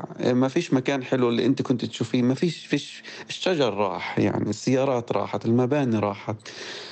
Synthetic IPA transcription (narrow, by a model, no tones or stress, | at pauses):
mafiːʃmakaːnħɪlwɪlːiʔɪnt̪ikʊnt̪t̪ʃuːfiːnmafiːʃfiːʃ | ɪʃːad͡ʒɑɾˤːɑ̰ːħja̰ʕnisːɪjːɑːɾˤɑːt̪ɾˤɑ̰ːħat̪ɪlmabaːniɾˤɑːħat̪